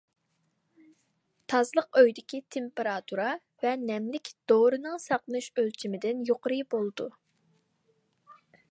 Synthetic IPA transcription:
t̪ʰɑzlˠəqøjd̪ɪkʲit̪ʰempeɾɑt̪ʰuɾɑ | vɛnɛmlɪkʲd̪̥oɾɨnɨŋsɑqlˠnɨʃølt͡ʃʰimɪd̪ɪnjoqəɾɨbolˠɨd̪u

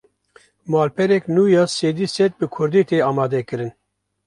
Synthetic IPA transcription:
mɑːlpʰɛɾɛknuːjɑːseːd̪iːsɛt̪̚bɨkʰʊɾd̪iːt̪eːɑːmɑːd̪ɛkɨɾɨn

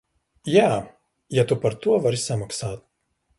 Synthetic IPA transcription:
jæː | jɛt̪ʊpɐɾt̪uɔʋɐɾʲsʲɛmɐksɑːt̪̚

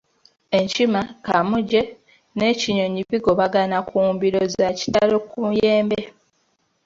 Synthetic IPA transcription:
e̞ɲcimakamuɟe̞ | ne̞ciɲo̞ɲiβiɡo̞βaɡanakuːmbiɾo̞zaci̥talo̞kuje̞ːmbe

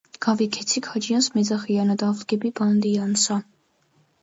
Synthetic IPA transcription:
ɡ̥avikʰɛt͡sʰikʰad͡ʒijɑnsmɛd͡zaχijɑnad̪avlɡɛbiband̪ijɑnsa

